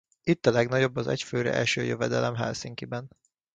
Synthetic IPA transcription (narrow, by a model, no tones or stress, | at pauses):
it̪ːɒlɛɡnɒɟo̞bːɒzɛ̰cføːɾɛ̰ʔɛ̰lʃøːjøvɛd̪ɛlɛmɦɛlsiŋkibɛn